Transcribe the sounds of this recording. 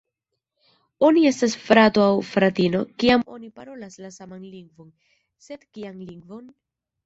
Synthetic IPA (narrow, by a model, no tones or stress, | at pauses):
o̞nie̞stasfɾato̞awfɾatino̞kiamo̞nipaɾo̞laslasamanliŋɡvo̞n | se̞dkianliŋɡvo̞n